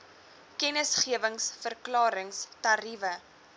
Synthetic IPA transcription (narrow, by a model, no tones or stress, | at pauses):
kɛnəsχiəvəŋsfərklɑːɾəŋstɐrivə